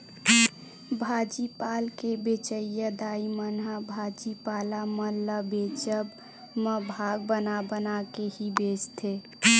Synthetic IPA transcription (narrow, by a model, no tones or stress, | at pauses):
bʱaːd͡ʒipalkebet͡ʃəjəd̪aːimənɦəbʱad͡ʒipaːlaməlːəbet͡ʃəb | məbʱaːɡ̚bənabənakehibeːt͡ʃt̪ʰe